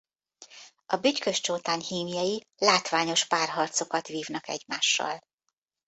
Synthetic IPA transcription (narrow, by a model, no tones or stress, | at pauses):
ʔɒbyckøʃt͡ʃoːt̪aːɲhiːmijɒji | laːt̪ʋaːɲo̞ʃpaːrɦɒrt̪so̞kɒt̪ʋiːvnɒkɛ̰ɟmaːʃːɒ̰l